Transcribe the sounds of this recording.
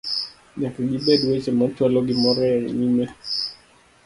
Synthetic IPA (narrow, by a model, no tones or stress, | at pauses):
ɲakɛɡibedwet͡ʃɛmat͡ʃwalɔɡɪmɔɾɛɾɲimɛ